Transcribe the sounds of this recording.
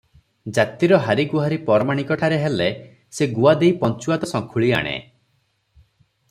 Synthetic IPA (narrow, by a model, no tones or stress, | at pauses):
d͡ʒat̪iɾɔɦaɾiɡuɦaɾipɔɾɔmaɽ̃ikɔʈʰaɾeɦele | seɡuad̪ejpɔnt͡ʃuat̪ɔsɔŋkʰuɭia̰ɽ̃ḛ